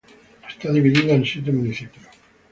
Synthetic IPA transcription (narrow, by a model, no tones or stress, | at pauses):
st̪aðiβiðiðaensit̪̬emuniθipjo